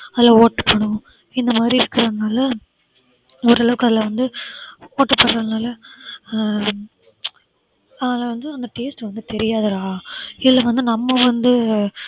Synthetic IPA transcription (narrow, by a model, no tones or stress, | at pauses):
ɐðɪlɐoːʈːɯ̥pːɐɳʊ̃ | ɪnd̪ɐmaːd̪ɾiɪɾɯkːɯɾɐðɯnaːlɐ | ɔɾɐɭɐʋɯkːɯɐðɪlɐʋɐnd̪ɯoːʈːɐpːɐɽɾɐðnaːlɐ | ɐnaːlɐʋɐnd̪ɯɐnd̪ɐʈeːsʈʋɐnd̪ɯt̪ɛɾɪjaːðɯɾaːɪðɪlːɐʋɐnd̪ɯnɐmːɐʋɐnd̪ɯ